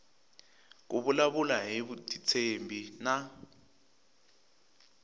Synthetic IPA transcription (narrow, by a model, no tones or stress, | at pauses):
k̬uɓulaβulaɦiβutʰʼit͡sʰembʱina